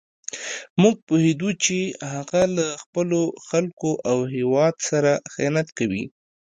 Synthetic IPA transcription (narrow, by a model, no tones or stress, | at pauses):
muɡ̚puhed̪ut͡ʃehaɣalaxpəloxalkoʔawɦewɑd̪saɾaxɪ̰nat̪kawḭ